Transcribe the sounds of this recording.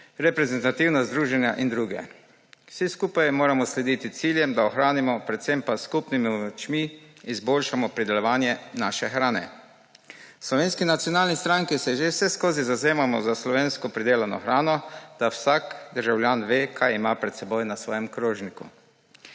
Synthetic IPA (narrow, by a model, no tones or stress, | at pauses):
ɾɛpɾɛzɛnt̪at̪iwnazd̪ɾuːʒɛnja̰ʔind̪ɾuːɡɛ̰ | wsiskuːpajmoːɾamɔslɛd̪it̪it̪siljɛmd̪aɔxɾaːnimɔpɾɛt̪sɛmpaskupnimiɔt͡ʃmiːzbolʃamɔpɾid̪ɛlɔʋaːnjɛnaːʃɛxɾaːnɛ̰ | slɔʋeːnskinat̪sjɔnaːlnist̪ɾaŋkisɛʒewsɛskoːzizazeːmamɔzaslɔʋeːnskɔpɾid̪eːlanɔ̰xɾaːnɔd̪̥awsakd̪əɾʒawlʲjaːnʋeːkʰajimapɾɛt̪sɛbojnasʋɔːjɛmkɾoːʒnikṵ